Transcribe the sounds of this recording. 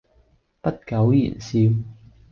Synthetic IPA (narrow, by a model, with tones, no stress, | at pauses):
pɐ˥t̚kɐ˨˥wjḭ˨˩nsiː˧w